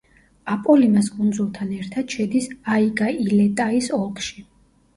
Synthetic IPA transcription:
apʼɔlimaskʼund̪zulˠt̪ʰanɛɾt̪ʰad̪̥ʃɛd̪isaiɡʼailɛt̪ʼaisɔlˠkʼʃi

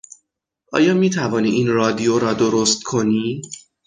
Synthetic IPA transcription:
ʔɒ̰ːjɒːmiːt̪ʰævɒːniːʔinrɒːd̪ijoɾɒːd̪o̞ɾost̪̚kʰo̞niː

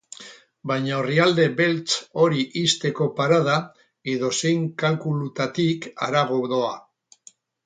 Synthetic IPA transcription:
bajɲaoriald̪e̞be̞lt͡so̞ɾiʔist̪e̞ko̞paɾaða | eðo̞sejŋkalkulut̪at̪ika̰ɾaɣ̞oðo̞a

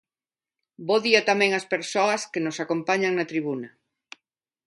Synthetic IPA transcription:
boðiat̪amɛ̃ŋɐspeɾsoɐskenosakompaɲaŋnɐt̪ɾiβ̞unɐ

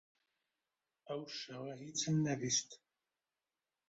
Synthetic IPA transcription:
æwʃəʁæɦit͡sːənːæðist̪

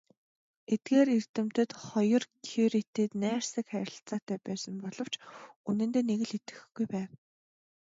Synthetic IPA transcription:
et̪̚ɡeːɾir̥t̪ɘ̆m̥t̪ɘ̆t̪χɔjɞ̆rkʰuɾit̪iːt̪næːrsə̆kχæɾʲɪ̆ɬt͡saːt̪æːpæːsə̆mpɔɮɞ̆w̥t͡ɕunɘ̆nt̪eːneɣɘ̆ɮit̪ɘ̥̆xɡujpæːw

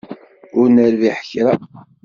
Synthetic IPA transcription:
ʊɾnəɾviħəçɾa

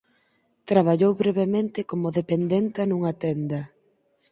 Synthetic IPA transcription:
t̪ɾaβ̞aʎowβɾeβemẽnt̪ɪkomʊðepend̪ent̪anuŋɐt̪ɛnd̪ɐ

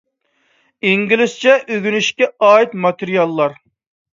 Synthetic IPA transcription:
iŋɡʲilɪst͡ʃʰɛʔøɡʲynyʃkʲɛɑːjit̪mɑt̪ʰɪɾijɑlˠːɑɾ

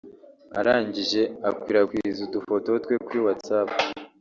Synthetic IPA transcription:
a̰ɾaːɲɟiʒe̞akwiɾakwiɾizudufo̞to̞twe̞kwiwat͡sapu

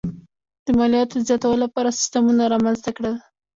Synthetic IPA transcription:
d̪̥əmɑlijɑt̪od̪əzjɑt̪awəlolapɑɾasi̥st̪amunaɾɑmanzt̪akɽəl

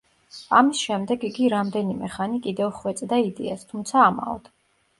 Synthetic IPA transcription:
amisʃɛmd̪ɛɡiɡiɾamd̪ɛnimɛχanikʼid̪ɛvχwɛt̪sʼd̪aid̪ɛast̪ʰumt̪sʰaːma̰ɔ̰d̪̥

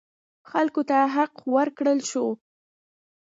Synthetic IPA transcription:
xalkot̪aɦaqwəɾkɽəlʃo

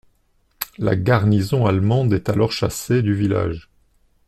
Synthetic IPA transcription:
la̰ɡaʁnizɔ̃almɑ̃d̪ɛt̪alɔʁʃased̪yvila̰ʒ

